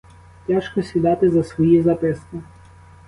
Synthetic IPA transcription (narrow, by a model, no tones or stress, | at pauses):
tʲaʃkɔsʲid̪ɑt̪ɪzɐsʋɔjizɐpɪskɪ